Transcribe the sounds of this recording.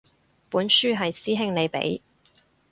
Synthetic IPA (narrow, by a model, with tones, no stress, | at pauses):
puː˨˥nsyː˥ɦɐ˨jsiː˥ɦɪ˥ŋle˨˧jpḛ˨˥j